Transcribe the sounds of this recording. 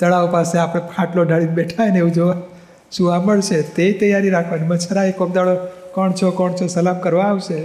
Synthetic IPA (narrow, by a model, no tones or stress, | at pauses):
t̪əɭaʋopaseapɽ̃epʰãʈloɖʱaɭinbeʈʰajneʋũd͡ʒoʋa | ʃũaməɭʃʰet̪et̪əjːaɾiɾakʰʋanimət͡ʃʰaɾaekomd̪aɭokɔɳt͡ʃʰokɔɳt͡ʃʰosəlamkəɾʋãːʋʃe